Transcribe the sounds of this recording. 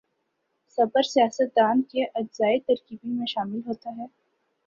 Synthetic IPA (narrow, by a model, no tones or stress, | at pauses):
sɐbəɾsijaːsət̪̚d̪aːnkeʔɐd͡ʒzaːit̪ɐɾkiːbimẽʃaːmɪlɦoːt̪aɦɛː